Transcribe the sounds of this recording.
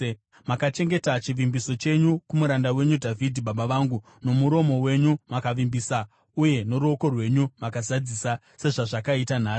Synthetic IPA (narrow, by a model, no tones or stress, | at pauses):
makat͡ʃe̞ŋɡe̞tat͡ʃiʋimbiso̞t͡ʃe̞ɲukumuɾandawe̞ɲudʱavidʱiɓaɓaʋaŋɡu | no̞muɾo̞mo̞we̞ɲumakaʋimbisa | uje̞no̞ɾo̞ko̞rwe̞ɲumakazad͡zisa | se̞ʐaʐakaitanḁː